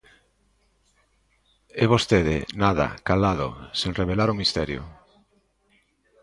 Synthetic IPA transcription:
ɛβost̪eðḛnaða̰kalaðo̰seŋreβelaɾomist̪ɛɾjo̰

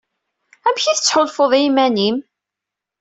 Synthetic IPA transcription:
æmçiθə̥t͡sːħʊlfoðˤimænim

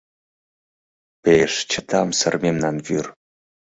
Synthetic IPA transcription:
peʂt͡ʃʰət̪ʰamsərmʲemnanvyr

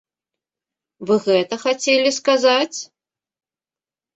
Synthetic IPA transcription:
vɨɣɛt̪ɐxat͡sʲelʲiskazat͡sʲ

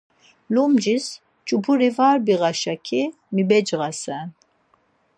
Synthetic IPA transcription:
lumd͡ʒis | t͡ʃʼubʰuɾivaːɾbiɣaʃakʰi | mibɛd͡ʒʁasɛn

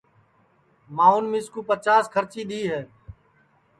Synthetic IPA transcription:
maːʊːnmĩːskuːpət͡ʃaːskʰəɾt͡ʃiːɗ̪iːɦɛː

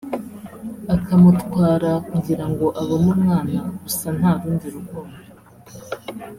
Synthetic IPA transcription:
akʰamutkwaːɾakuɟiɾaŋɡo̞ʔaβomumŋaːnaɡusan̥haːɾuːɲdiɾuɡoβo

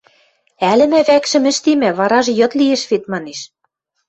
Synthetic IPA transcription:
ælɘ̆mæβækʃɘ̆mɘ̆ʃt̪emæβɑɾɑʒjɤ̆t̪lieʃβet̪̚mɑneʃ

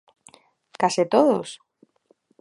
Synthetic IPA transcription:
kasit̪oðo̰s

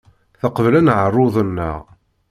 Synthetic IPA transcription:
θəqəvlænʕərˤːʊðˤənːə̰ʁ

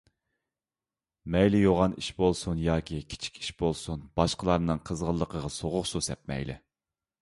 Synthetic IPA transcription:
mɛjlɪjoʁɑniʃbolˠsunjɑːkʲʰikʲʰi̥t͡ʃʰi̥kʲʰi̥ʃbolˠsunb̥ɑʃqəlˠɑɾnɨŋqʰəzʁəlˠːəqʰəʁɑsoʁʊχsusɛp̚mɛ̰jlɪ̰

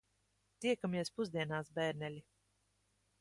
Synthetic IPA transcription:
t̪iɛkamɛspuzd̪iɛnaːsbɛɾnɛlʲi

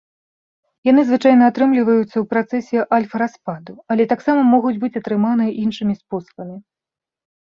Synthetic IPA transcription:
jan̪ɨzvɨt͡ʂajnɐːt̪ɾɨmlʲivɐjut̪sːɐwpɾat̪sɛsʲɛʔalʲfɐɾaspad̪uɐlʲɛt̪aksamɐmɔɣud͡zʲbɨt͡sʲɐt̪ɾɨmanɨjʔinʂɨmʲispɔsɐ̥bɐmʲi

